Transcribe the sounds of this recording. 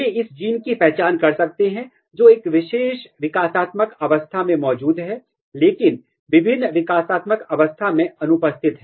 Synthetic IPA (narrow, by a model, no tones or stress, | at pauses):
eɪsd͡ʒiːnkipɛɦt͡ʃaːnkɐɾsɐk̚t̪eɦɛ̃ | d͡ʒoːeːkʋɪʃeːʃʋɪkaːsaːt̪məkɐʋəst̪ʰamẽmɔːd͡ʒuːd̪ɦɛː | leːkɪn | ʋɪbʱɪnːʋɪkaːsaːt̪məkɐʋəst̪ʰamẽɐnʊpəst̪ʰɪt̪ɦɛː